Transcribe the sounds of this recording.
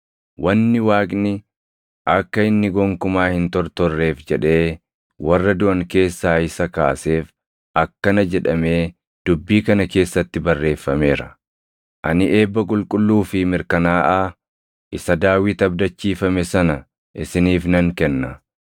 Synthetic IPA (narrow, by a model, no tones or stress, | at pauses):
wɐnːɪwaːkʼnɪ | ʔɐkːɐɪnːɪɡɔŋkʊmaːhɪnt̪ɔɾt̪ɔrːe̞ːfd͡ʒɛᶑe̞ː | wɐrːɐd̪ʊʔɐŋke̞ːsːaːɪsɐkaːse̞ːf | ʔɐkːɐnɐd͡ʒɛᶑɐme̞ː | d̪̥ʊbːiːkɐnɐke̞ːsːɐt̪ːɪbɐrːe̞ːfːɐme̞ːɾɐ | ʔɐnɪʔe̞ːbːɐkʼʊlkʼʊlːuːfɪmɪɾkɐnaːʔaː | ʔɪsɐd̪aːwɪt̪ɐbd̪ɐt͡ʃːiːfɐmɛsɐnɐ | ʔɪsɪniːfnɐŋkɛnːɐ